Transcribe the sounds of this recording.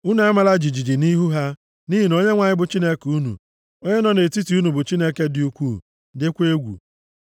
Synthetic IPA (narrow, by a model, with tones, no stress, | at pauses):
u˦n˨a˦ma˨la˦d͡ʒi˨d͡ʒi˨d͡ʒi˨ni˦ɦu˦ɦa˦ | ni˦ɦi˨no˦ɲe˦ŋʷa˨ɲɪ˦bʊ˨t͡ʃi˦ne˦ku˦nṵ˨ | o˦ɲe˦nɔ˨ne˨ti˦ti˨u˦nu˨bʊ˨t͡ʃi˦ne˦ke˦dɪ˦u˦kʷuː˦˨ | dɪ˦kʷe˦ɡʷṵ˨